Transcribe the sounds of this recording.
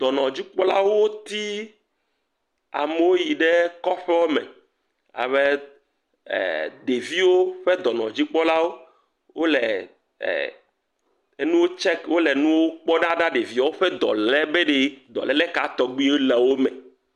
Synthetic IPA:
d̪̥ɔ˨nɔ̃˨d͡ʑi˦k͡pɔ˦la˦wo˦wo˦t̪i˦ | a̰˨me˦wo˦ji˨ɖe˦kɔ˦ɸɛ˦ɔ˦mɛ̰˨ | a̰˨βḛ˦˨ | d̪e˨vi˦wo˦ɸɛ˦d̪ɔ˨nɔ̰̃˨d͡ʑi˦k͡pɔ˦la˦wo˦ | wo˦lɛ̰˨ | e˦nũ˦wo˦t͡ʃɛ˦kwo˦lɛ˨nũ˦wo˦k͡pɔ˦ɖã˦ɖã˦ɖe˨vi˦a˦wo˦ɸɛ˦d̪ɔ̰˨lɛ˦be˦ɖe˦d̪ɔ̰˨lɛ˦lɛ˦ka˨t̪ɔ˨ɡ͡bi˦wo˦lɛ˨wo˦mɛ̰̃˨

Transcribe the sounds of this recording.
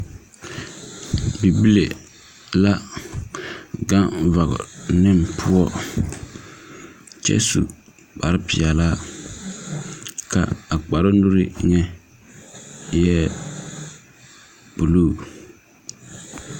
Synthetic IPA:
bi˨bi˦le˨ | la˦ | ɡa˦ŋva˨ɣʊ̰˨nɪ˦˨m˨pʰʊ˦ɔ˦ | t͡ʃɛ̰˦sṵ˨ | k͡pa˨ɾpɪ˨ɛ˨la˦ | kʰa̰˨a˨k͡pa˨ɾɪ˦nu˦ɾɪ˦ɲɛ˦ | jɛ˦ | pu˨luː˦˨

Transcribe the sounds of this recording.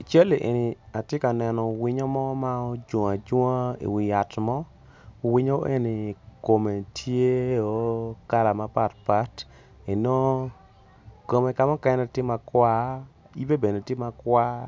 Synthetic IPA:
i˨t͡ʃa˦li˨ʔḛ˨ni˨a˨tje˦ka˨nɛ˨nɔ˨wɪ˦ɲo˦mɔ˦ma˦o˦d͡ʒo˨a˨d͡ʒo˦a˦ḭ˨wɪ˨ja˨tmɔ˦ | wɪ˦ɲo˦ʔe˦ni˨ko˨me˨tʰje˦o˨˦ka˦la˨ma˦pa˦tpa˦t | e˨no˦ | ko˨me˨ka˦mɔ˦kɛ˦nɛ˦tɪ˦ma˨kwa˦ | i˦be˦be˨ne˨tje˦ma˧kwa˦

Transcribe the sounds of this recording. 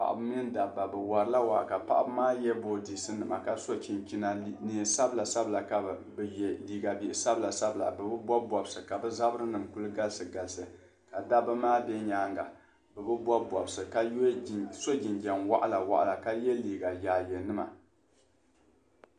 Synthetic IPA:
pa̰˨ʔa̰˨bɨ˦mi˦n˦da˨bːa˨bɛ˨wa˨ɾɨ˦la˦wa̰˨ʔka˨pa̰˦ʔa˦bɨ˦maː˦jɛ˦boː˦di˨sɨ˦nɨ˨ma̰˨ka˨so˦t͡ʃi˨nt͡ʃi˦na˨˦ni˨sa˦bla˨sa˦bla˨ka˨bjɛ˨liː˨ɡa˨bi˨ʔɪ˨sa˦bɨ˨la˨sa˦bɨ˨la̰˨bɨ˨bɨ˦bɔ˦bɔ˨bsɨ˨ka˨bɨ˦za˦bɨ˦ɾɨ˦nɨ˨mku˦lɨ˦ɡa˦lsɨ˨ɡa˨lsɨ˨ | ka˨da˦bɨ˦maː˦bɛ˦ɲaː˦ŋɡa̰˨ | bɨ˨bɨ˦bɔ˦bɔ˨bsɨ˨ka˦so˦d͡ʒi˨nd͡ʒɛ˨nwa̰˦ʔa˦la˨wa̰˨ʔa̰˨la˨ka˦jɛ˦liː˨ɡa˨jaː˨jɛ˨nɨ˦ma̰˨

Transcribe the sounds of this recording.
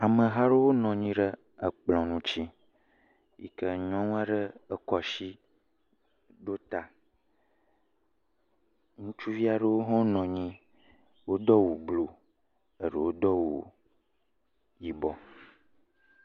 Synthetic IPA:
a˨mə̃˨ɦa˦ɖə˦wo˦nɔ̃˨ɲĩ˦ɖə˦ | ə˨k͡plɔ̃˨nũ˦t͡ɕi˦ | jḭ˨kə˦ɲɔ̃˦ŋũ˦a˦ɖə˦ə˦kɔ˨ʃi˦ | ɖo˦t̪a˨ | ŋũ˦t͡ʃu˦vi˦a˨ɖə˦wo˦ɦɔ̃˦nɔ̃˨ɲĩ˦ | wo˦d̪ɔ˦wu˨blo˨ | ə˨ɖə˨wo˦d̪ɔ˦wṵ˨ | ji˨bɔ˦

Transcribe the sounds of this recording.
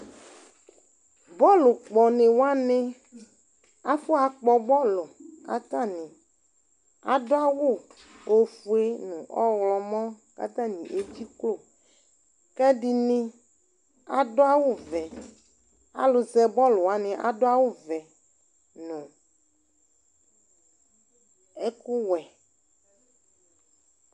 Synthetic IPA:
bɔ˦lu˨k͡pɔ˨nẽ˨wo˦a˦nẽ˦ | a˦fo˦a˨k͡pɔ˨bɔ˦lo˨a̰˨t̪a˦nĩ˨ | a̰˨do˦a˦wu˦˨ | o˨fu˨e˦nũ˨ʔɔ˦wlɔ˨mɔ̃˦ | ka̰˦t̪ã˦ɲḭ̃˨ʔe˦d͡ʑi˦klo˦˨ | kɛ˦di˨nĩ˦ | a˦do˦a˦wu˦vɛ˨ | a̰˨lo˨zɛ˨bɔ˦lo˨a˨nẽ˨ʔa̰˨ɖo˦a˦wu˦vɛ˨ | nũ˨ | e˦ku˦wɛ˨

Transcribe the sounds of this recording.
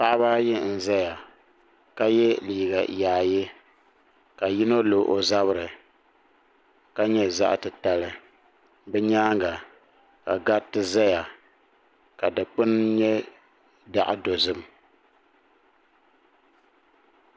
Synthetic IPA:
pa˦ʔa˦baː˦jɪ˦n̩˨za˦ja˨ | ka˦jɛ˦liː˨ɡa˨jaː˨jɪ˦ | ka˨ji˦no˦lo˨ʔo˨za˦βɨ˦ɾɨ˨ | ka˦ɲɛ˦za̰˦ʔtɨ˨ta˨lɨ˦ | bɛ˦ɲaː˦ŋɡa˨ | ka̰˨ɡa˦tɨ˦za˦ja˨ | ka˨dɨ˨k͡pɨ˦nɲɛ˦ | da˨ʔɪ̰˦do˨zɨ˦m

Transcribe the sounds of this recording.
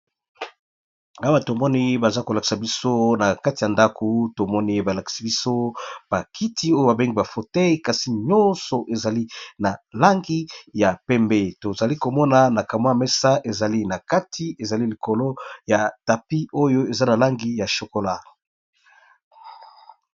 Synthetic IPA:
a˦wa˦to˨mɔ˦ni˦ba˨za˦ko˨la˨ki̥˨sa˨bi˦so˦na˨ka˦ti˨ja˨nda˦kʰo˨to˨mɔ˦ni˦ba˨la˨ki̥˨sa˨bi˦so˦b̥a˨kʰi˦tʰi˦o˦jo˦ba˨be˦ŋɡi˨ba˨fo˨tɛ˦ji˦ka˨si˨ɲɔ˦nsɔ˨ʔe˨za˨li˦na˨la˦ŋɡi˦ja˨pɛ˦mbe˦to˨za˨li˦ko˨mɔ˦na˨na˨ka˨m˦a˦a˨mɛ˦sa˦ʔe˨za˨li˦na˨ka˦tʰi˦e˨za˨li˦li˨ko˨lo˦ja˨ta˨pi˦o˦jo˦e˨za˦na˨la˦ŋɡi˦ja˨ʃo˨ko˨la˦

